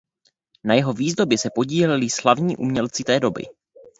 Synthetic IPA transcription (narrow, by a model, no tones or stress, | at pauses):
najɛɦo̞viːzdo̞bɪsɛpo̞ɟiːlɛlɪslavɲiːʔṵːmɲɛlt͡sɪt̪ɛːdo̞bɪ̰